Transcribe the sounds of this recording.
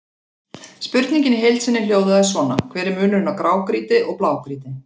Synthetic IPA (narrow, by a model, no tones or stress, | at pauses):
spʏɾt̪niɲcɪnɪɦejlt̪sɪnːɪljoːwðʏaðsvɔːnakʰvɛːɾɪɾmʏːnʏɾʏnakɾaːwkɾiːt̪ɪʔɔɣplaːwkɾiːt̪ɪ